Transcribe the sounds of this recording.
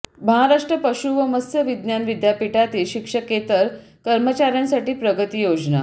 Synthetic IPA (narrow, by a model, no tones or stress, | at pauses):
məɦaɾaʂʈɾəpəɕuːʋəməsəʋid̪njanʋid̪japiʈat̪iːɕikʂəket̪əɾ | kəɾmət͡ɕaɾjansaʈiːpɾəɡət̪iːjod͡ʑna̰